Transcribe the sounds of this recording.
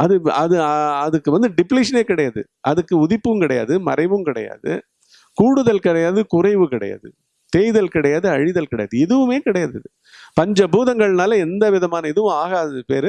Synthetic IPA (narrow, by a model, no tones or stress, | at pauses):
ʔɐðɯɐðɯɐðɯkːɯʋɐnd̪ɯɖɪpliɪʂɐneːkɪɽɐjaːðɯ̰ | ʔɐðɯkːɯʊðɪpːɯmkɪɽɐja̰ːðɯmɐɾɐɪʋɯmkɪɽɐ̰ja̰ːðɯ̰ | kuːɽɯðɐlkɪɽɐjaːðɯkʊrɐɪʋɯkɪɽɐ̰ja̰ːðɯ̰ | t̪eːjðɐlkɪɽɐjaːðɯɐɻɪðɐlkɪɽɐja̰ːðɯɛðɯʋɯmeːkɪɽɐjaːðɪðɯ | pɐɲd͡ʒɐbuːðɐŋɡɐɭnaːlɐɛnd̪ɐʋɪðɐmaːnɐɛðɯʋɯ̃aːɣaðɯpeːɾ